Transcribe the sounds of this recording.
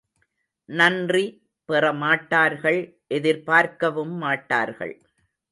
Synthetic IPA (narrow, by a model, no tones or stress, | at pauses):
nɐndri | pɪrɐmaːʈːaːɾɣɐɭ | ʔɛðɪɾpaːɾkɐʋɯmːaːʈːa̰ːɾɣɐ̰ɭ